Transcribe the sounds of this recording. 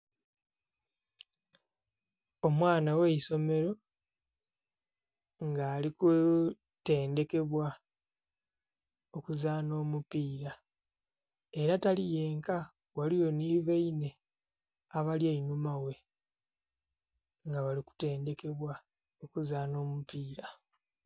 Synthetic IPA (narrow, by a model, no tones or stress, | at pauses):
o̞mwaːnaweiso̞me̞ɾo̞ | ŋɡaːliku | te̞ːnde̞ke̞βwa | o̞kuzaːno̞ːmupiːɾa | e̞ɾatalije̞ːŋka | walijo̞niːβeine̞ | aβaljainumawe̞ | ŋɡaβaliku̥te̞ːnde̞ke̞βwa | okuzaːno̞ːmupiːɾa